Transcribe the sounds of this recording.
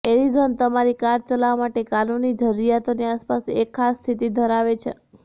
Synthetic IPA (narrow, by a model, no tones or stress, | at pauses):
eɾid͡ʒənt̪əmaɾikaɾt͡ʃəlaʋamaʈekanunid͡ʒʱəɾːijat̪oniaspasekʰːasst̪ʰit̪id̪ʱəɾaʋet͡ʃʰḛ